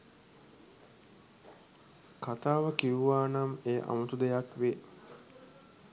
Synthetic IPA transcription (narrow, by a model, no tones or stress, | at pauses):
kat̪aːʋəkiʋuʋaːnameːʔa̰mut̪ud̪ejakʋe